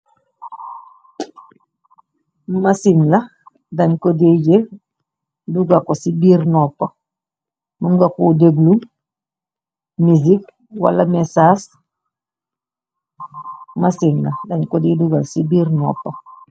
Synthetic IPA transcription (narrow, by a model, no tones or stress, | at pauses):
masiŋla | dɐnkodije | duɡakosibiːɾnɔpːa | nuŋɡakodeɡlum | mizik | wa̰lamesaːs | masiŋladaɲkodiduɡasibiːɾnɔ̰ːpːa